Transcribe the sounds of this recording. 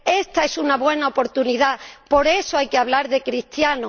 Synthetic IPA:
e̞st̪ae̞sunaβwe̞naopo̞ɾt̪uniðapo̞ɾe̞soajkeaβlaɾðe̞kɾist̪jano

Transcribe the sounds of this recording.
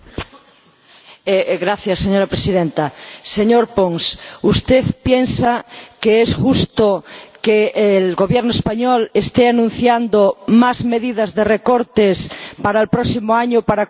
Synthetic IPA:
eɣɾaθjasːeɲoɾapɾesiðent̪aseɲoɾpoŋsust̪eθpjensakeesʝust̪okeːlɣoβjeɾnoespaɲolest̪eanũn̟θjand̪omazme̞ðið̞azðerekoɾt̪espaɾaelpɾosimoaɲopaɾa

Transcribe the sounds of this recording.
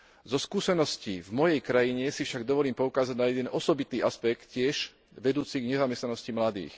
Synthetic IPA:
zɔskuːsɛnɔscivmɔjɛjkɾajiɲɛsifʃaɡd̪ɔʋɔliːmpɔukaːzaɟnajɛd̪ɛnɔsɔbit̪iːʔaspɛkt̪cɪɛʒ | ʋɛd̪uːt͡siɡɲɛzamɛst̪nanɔscimlad̪ḭːx

